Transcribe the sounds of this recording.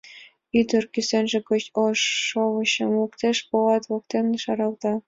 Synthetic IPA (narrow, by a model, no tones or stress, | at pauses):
yd̪ə̆rkysenʒĕkot͡ɕoʃːoβɤ̆ɕɤ̆mukt̪eʃpolɑt̪βok̚t̪emneʃɑɾɑlt̪ɑ